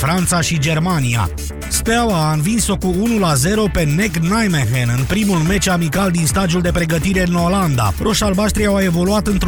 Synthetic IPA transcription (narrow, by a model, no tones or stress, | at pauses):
fɾant̪saʃid͡ʒe̞rmania̰ | spawaɨnvinso̞kuunulaze̞ɾo̞pe̞ne̞knajmeɦenɨnpɾimulme̞t͡ʃamikald̪inst̪ad̪ijuld̪e̞pɾe̞ɡət̪iɾe̞ɨno̞land̪a̰ɾoʃalbaʃt̪ɾiawae̞vo̞luat̪ɨnt̪ɾ